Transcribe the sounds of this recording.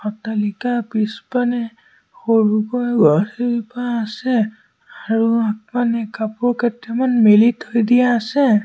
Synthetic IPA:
ɔtalikapispanɛ | xoɹukɔjɡɔtʰeɹipaːsɛ | aɹuak̚manɛkapʊɹkɛtɛmanmelitʰojdijaːsɛ

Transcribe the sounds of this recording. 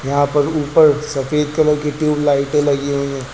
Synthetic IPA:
jɐɦãpɐɾuːpəɾsɐfeːd̪̚kɐloːkiʈjuːblaːɪʈlɐɡiɦoĩɛ̃ː

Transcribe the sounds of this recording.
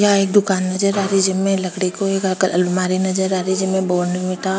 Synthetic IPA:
jaeːk̚d̪ʊkaːnːɐd͡ʒəɾaːɾid͡ʒəmẽlɐkɽikoeːkklbmaːɾinɐd͡ʒəɾaːɾid͡ʒɐmẽboːɾnəmɪʈa

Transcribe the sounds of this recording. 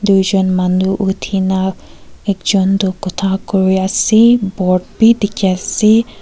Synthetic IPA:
d̪ujzɔnmanduʔut̪ʰinaɛkzɔnd̪ɔkɔt̪ʰakɔɹiasibɔʈ̚bid̪ikʰiasi

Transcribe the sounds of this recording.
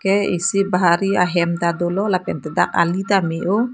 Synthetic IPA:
kɛḭsibaɦaɾiaɦɛmt̪ad̪olɔlapɛnt̪ədak̚a̰lit̪ameʔo

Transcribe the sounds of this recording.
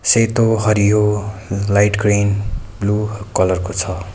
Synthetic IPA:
set̪oɦʌɾiɦolajʈɡrinblukʌlʌrkot͡sʰʌ

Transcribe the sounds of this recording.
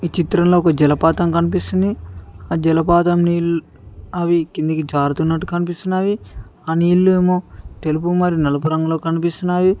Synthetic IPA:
it͡ʃit̪ɾɐnloːkɐd͡ʒɛlɐpaːt̪ɐmkɐnipist̪und̪iaːd͡ʒɛlɐpaːt̪ɐmniːlu | aːʋikind̪ɐkid͡ʒaːɾut̪unːɐʈːukɐnipist̪unːaːʋiaːniːlːueːmoːt̪elupumɐɾinɐlɐp̬uɾɐŋɡɐlo̞ːkɐnipist̪unːaːʋi

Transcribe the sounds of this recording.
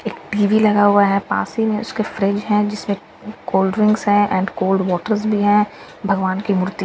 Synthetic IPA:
eːkʈiːʋilɐɡaɦʊaɦɛpa̰ːsimẽʊskefɾɪd͡ʒɦɛ̃d͡ʒɪsmẽ | koːlɖɾɪ̃ŋɡsɦɛ̃ʔɛ̃ːɳɖkoːlɖʋɔːʈəɾzbʱiɦɛ̃ | bʱɐɡʋaːnkimʊɾt̪i

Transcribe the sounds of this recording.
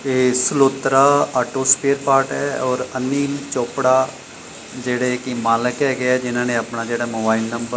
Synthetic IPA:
eːsloːt̪ɾaaːʈoːspeːɾpaːɾʈɦɛɔːɾɐniːlt͡ʃoːpɽa | d͡ʒeːɽekimaːləkɛɡɐjad͡ʒɪnãːnẽɐpnad͡ʒɛːɽamoːbaːɪlnɐ̃mbə

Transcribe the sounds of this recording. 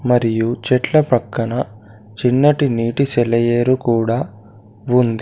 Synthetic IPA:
mɐɾijut͡ʃɛʈlɐpɐkːɐnɐ | t͡ʃinːɐʈiniːʈisɛlɐjeːɾukuːɽaː | und̪i

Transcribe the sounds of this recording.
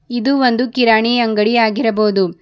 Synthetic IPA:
id̪uʋond̪ukiɾaːɳiɐŋɡɐɽijaːɡiɾɐboːd̪u

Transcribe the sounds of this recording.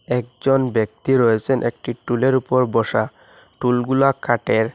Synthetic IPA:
ɛk̚d͡ʑɔnbek̚t̪iɾɔjet͡ɕʰenʔek̚ʈiʈuleɾupɔɾbɔʃa | ʈulɡulakʰaʈeɾ

